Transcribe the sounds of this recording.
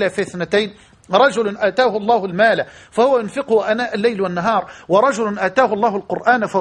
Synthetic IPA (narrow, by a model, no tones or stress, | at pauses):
lafɪθnɪt̪ajn | ɾˤɑʒʊlʊnʔaːt̪aːhʊlˤːɑːhʊlmaːlafahʊwːajʊnfɪqʊhʊʔanaːʔalːajlwanːaɦɑːɾˤwɑɾˤɑʒʊlʊnʔaːt̪aːhʊlˤːɑːhʊlqʊɾʔaːnfa